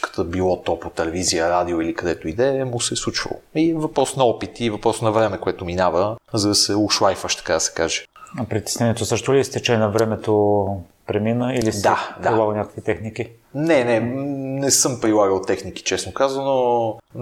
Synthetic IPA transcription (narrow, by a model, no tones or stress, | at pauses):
kə̥t̪əbilˠɔt̪ɔpot̪ɛlɛvizijəɾad̪ioilikɐd̪ɛt̪oid̪ɛɛmʊsɛslˠut͡ʃvə̰lˠo̰ivɐpɾɔsnɐɔpit̪ivɐpɾɔsonɐvɾɛmɛkoɛt̪ʊminavəzɐd̪ɐsɛʊʃvajfəʃt̪ɐ̥kad̪ɐsɛ̥kaʒɛ̥ɐpɾit̪ɛ̥snɛniɛt̪osɤʃt̪ʊlist̪ɛt͡ʃɛnɐvɾɛmɛt̪o | pɾɛminəilisd̪d̪ad̪ailˠaɡənʲakə̥kvit̪ɛxniki | nɛnɛnɛsɤmpɾilˠaɡəlˠt̪ɛxnik̟i̥t͡ʃɛsnokazɐno